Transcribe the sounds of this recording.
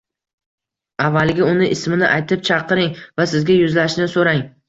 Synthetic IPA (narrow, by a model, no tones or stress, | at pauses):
avːalɡʲaʊnɪʔɪsmɪnɪʔajt̪ʰɪp̚t͡ʃʰɑqʰɨɾɪŋvasɪzɡʲajʊzlaʃnɪsoɾaŋ